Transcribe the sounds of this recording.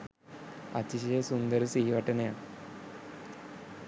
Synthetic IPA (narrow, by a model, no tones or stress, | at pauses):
ɐ̰t͡ɕːiɕ̬ɐjesund̪ɐɾɨsiːʋɐʈːɐneja